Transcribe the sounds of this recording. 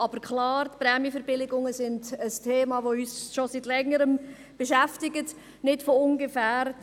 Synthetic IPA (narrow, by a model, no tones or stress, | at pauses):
ʔɑbəɾkʰlɑːɾtpɾɛːmjifəɾb̥ɪlɪɡʊŋəsɪndəstʰeːmɑːvoyːsʃositlɛŋəɾəm | b̥əʃæftɪɡət | nɪtfoʊnɡefæːɾ